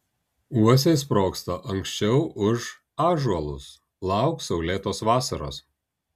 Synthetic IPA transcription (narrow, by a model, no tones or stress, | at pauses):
uɔs̬ʲeːs̬pɾoːkst̪ɐʔɐŋʲksʲt͡ʃʲɛʊʊʒ | ɑːʒuɐlˠʊ̰s | lˠɑˑʊksɐʊlʲeːt̪oːsʋɑːsɐɾo̰ːs